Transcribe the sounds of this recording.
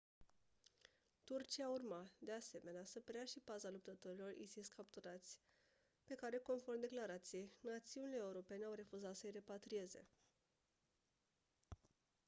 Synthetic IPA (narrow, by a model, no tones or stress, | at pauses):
t̪urt͡ʃiaurmat̪d̪e̞ase̞me̞neasəpɾeaʃipazalup̚t̪ət̪o̞ɾilo̞rʔḭsiskapt̪uɾat̪sʲ | pe̞kaɾe̞ko̞nfo̞rmd̪e̞klaɾat̪sije̞jnat̪siunile̞euɾo̞pe̞ne̞awre̞fuzat̪səjre̞pat̪ɾije̞ze̞̰